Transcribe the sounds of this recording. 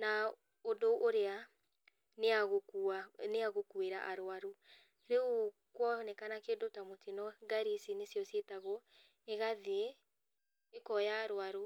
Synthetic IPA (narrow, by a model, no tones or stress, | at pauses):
na | odoʔoɾea | neaɣokuaneaɣokueɾa̰ʔaɾoaɾo | ɾeu | kwɔnɛkanakedotamotinɔɡaɾisinesjɔsetaɣɔ | eɣaðee | ekɔjaːɾwaɾo